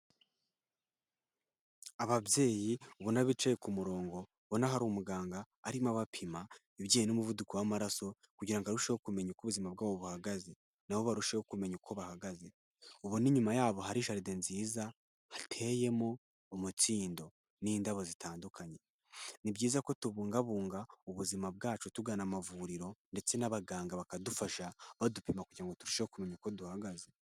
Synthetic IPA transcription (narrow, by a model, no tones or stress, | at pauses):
aβabje̞ːjiuβunaβit͡ʃejekumuɾo̞ːŋɡo̞ | βonaɦaɾumuɡaːŋɡaːɾimaβapʰima | iβjejenomuvudukowamaɾaso̞ | kuɟiɾaŋɡaɾuʃehokume̞ɲukuβuzimabɡaːβoβuhaɡaze | naho̞βaɾuʃehokume̞ɲukʰoβahaɡaze | uβoniɲumajaːβo̞ɦaɾiːʃaɾide̞nziːza | hatʰe̞je̞moː | mut͡siːndo̞ | niːndaβo̞zitaːndukʰaɲe̞ | nibɟiːzako̞tuβuːŋɡaβuːŋɡauβuzimab̚ɡaːt͡ʃutuɡaːnamavuɾiɾo̞nde̞t͡se̞naβaɡaːŋɡaβakadufaʃaβadupimakuɟiɾaŋɡo̞tuɾuʃehokume̞ɲuko̞duhaɡaze